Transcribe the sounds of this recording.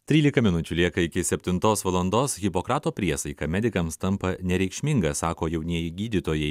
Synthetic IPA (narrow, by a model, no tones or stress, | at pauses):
t̪ʲɾʲiːlʲɪkɐmʲɪnʊt͡ʃʲʊlʲiɛkɐɪkʲɪsʲɛpʲt̪ʲɪnt̪oːsʋɐlˠɐnd̪oːsɣʲɪpokɾɑːt̪oːpʲɾʲiɛsɐɪkɐmʲɛd̪ʲɪkɐmst̪ɐmpɐnʲɛɾʲɛɪkʃʲmʲɪŋɡɐsɑːkoːjɛʊnʲiɛjɪɡʲiːd̪ʲɪt̪oːjɛɪ